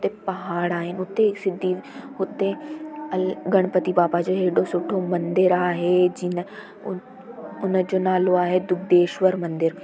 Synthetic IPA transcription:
ʊt̪ːepɐɦaːɽaːenʊt̪ːeksɪd̪ːiːʊt̪ːe | ɡɐɽ̃pət̪ibaːpad͡ʒoɦeːɖosʊʈʰːomɐ̃nd̪ɪɾaːɦed͡ʒɪn | ʊnd͡ʒoːnaːloaːɦed̪ʊk̚d̪eːʃʋəɾmɐ̃nd̪ɪɾ

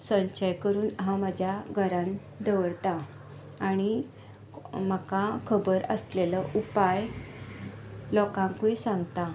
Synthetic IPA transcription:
sə̃ɲt͡ɕajkəɾuːnɦaməd͡ʑʱjaɡʱəɾãn | d̪əʋəɽt̪a | aɽ̃i | makakʰəbəɾə̰sleləʔupaj | lɔkãŋkʋuisãŋɡt̪a

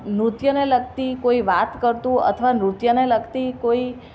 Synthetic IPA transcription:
nɾut̪jəneləɡt̪ikoiʋat̪kəɾt̪ũə̰t̪ʰəʋanɾut̪jəneləɡt̪ikoi

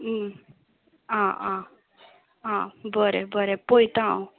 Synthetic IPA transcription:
ãã | ãbəɾebəɾepojt̪ãw

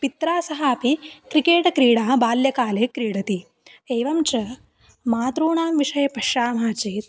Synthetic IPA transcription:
pit̪ɾaːsɐɦaːpikɾikeːʈɐkɾiːɽaːbaːljɐkaːleːkɾiːɽɐt̪i | eːʋɐmt͡ʃɐ | maːt̪ɾuːɳaːmʋiʂɐjɐpɐʃːaːmɦaːt͡ʃiːt̪̚

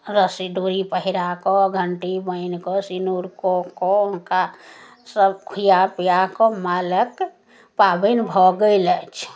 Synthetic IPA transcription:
ɾəsiɖuɾipəɦiɾakɔɡʱəɳʈibəɪnkɔsinuɾkɔkɔka | səbkʰujapijakɔmalək | pabənbʱɔɡəɪlət͡ʃʰ

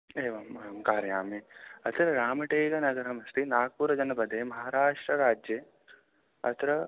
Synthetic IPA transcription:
eːʋɐmɐɐmkaːɾjaːmiɐt̪ɾɐɾaːmɐʈeːɡɐnɐɡɐɾɐmɐst̪ʰinaːk̚puɾɐd͡ʒɐnɐpɐd̪ʱeːmɐɦaːɾaːʂʈɾɐɾaːd͡ʒje | ɐ̰t̪ɾɐ

